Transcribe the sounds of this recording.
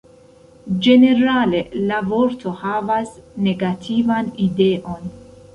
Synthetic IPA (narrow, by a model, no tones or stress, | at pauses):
d͡ʒe̞ne̞ɾale̞lavoɾtʰo̞havasne̞ɡatʰivanide̞ʔo̞n